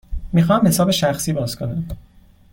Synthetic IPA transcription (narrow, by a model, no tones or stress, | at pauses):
miːxɒːmhe̞sɒːbe̞ʃæxsiːbɒːzkʰo̞næm